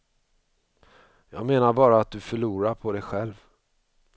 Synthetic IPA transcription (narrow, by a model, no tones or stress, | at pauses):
jɑːɡmeːnaɾbɑːɾaːt̪̚d̪ɵfœɭuːɾaɾpʰɔd̪ɛjɧɛlv